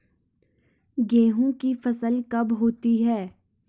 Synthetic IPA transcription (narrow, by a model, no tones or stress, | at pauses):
ɡɛ̃ːɦõkifɐsəlkɐbɦoːt̪iɦɛː